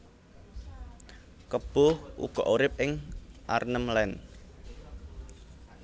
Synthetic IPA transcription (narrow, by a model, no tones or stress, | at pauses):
kəb̥ʊhʔṵɡ̥ɔ̤ʔoɾɪp̚ʔɪŋʔa̰rnəmlɛn